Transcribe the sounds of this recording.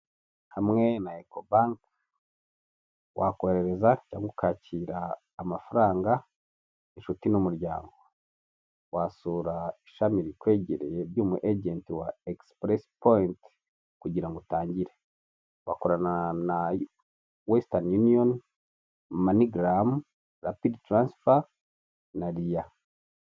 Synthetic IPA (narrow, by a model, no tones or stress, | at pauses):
hamŋe̞naekobaŋk | wʔako̞ɾe̞ɾe̞zaca̰ːŋɡokʰaciːɾaː | mafuɾaːŋɡa | eʃutinumuɾjaːŋɡo̞ | wasuːɾaiʃamiɾikwe̞ːɟeɾejɾjuːmṵʔeɟentiwaekspɾespoint | kuɟiɾaŋɡotaːɲɟiɾe | βa̰koɾanana | westanjunion | maniɡɾam | ɾapidtɾansfa | naɾija